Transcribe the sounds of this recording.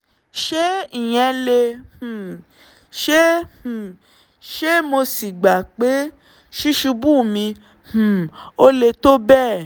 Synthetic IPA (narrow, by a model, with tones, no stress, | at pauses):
ʃe˦i˨j̃ɛ̃˧lẽ˧˨ | ʃẽ˦˨ | ʃe˦mo˧si˨ɡ͡ba˨k͡pe˨˦ | ʃi˦ʃu˧bũ˦˨mĩ˧ | h̩˨o˦le˧to˦bɛ˦˨